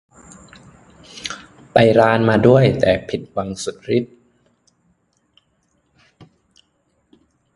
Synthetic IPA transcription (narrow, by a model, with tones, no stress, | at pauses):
pa˧jɾaː˧nmaː˧du˥˩əjt̪ɛː˨˩pʰi˨˩t̪̚wa˧ŋsu˨˩t̪̚ɾi˦˥t̪̚